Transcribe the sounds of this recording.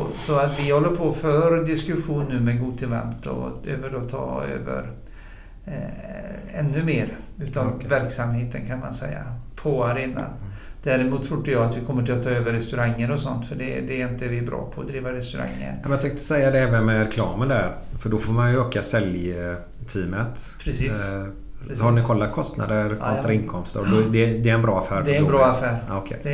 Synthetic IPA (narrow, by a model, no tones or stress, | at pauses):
ɔsɔat̪vɪhɔlːəɾpʰɔfœɾd̪ɪskɵɧuːnːʉ̟ːmɛɡuːd̪̚t̪ʰɪlva̰nt̪ɔ̰øːvəɾɔt̪ʰɑ̰ːø̰ːvə̰ɾ | ɛnːɵmeːɾʉ̟ːt̪anvæɾksamheːt̪ənkʰanma̰nsɛjːa̰pʰɔaɾeːna̰d̪̥æɾɪmuːt̪ʰːɾud̪əjɑːat̪vɪkʰɔmːəʈʰɪlat̪ʰːɑːøːvəɾɛst̪ɵɾaŋːəɾɔsɔ̰nt̪fœɖɛd̪ɛːɾɪnt̪əɛvɪæbɾɑ̰ːpʰɔɔd̪ɾiːvaɾɛst̪ɵɾa̰ŋːə̰ɛmɛjɑt̪ʰɛŋk̚t̪ə̥sɛjːad̪ɛɛːvənmɛɾɛkʰlɑ̰ːmənd̪æɾfœɖɔfoːɾmanjɵøːkasɛlj | t̪ʰiːmət̪pʰɾɛsiːs | hanɪkʰɔlːat̪̚kʰɔst̪na̰d̪əɾat̪aɾɪnkʰɔmst̪əɾɔd̪d̪ɛd̪ɛːɾɛnbɾɑːafæːɾd̪ɛɾɛnbɾɑːafæːɾɔkʰɛ̰d̪ɛ